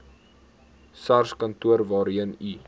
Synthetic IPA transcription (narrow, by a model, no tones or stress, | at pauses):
sɐrskɐntuərvɑːɾiəni